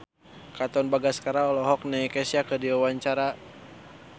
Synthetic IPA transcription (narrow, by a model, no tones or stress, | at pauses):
kat̪ɔnbaɡaskaɾaɔlɔɦɔk̚nɛkɛsiakərdiwawaɲt͡ʃaɾa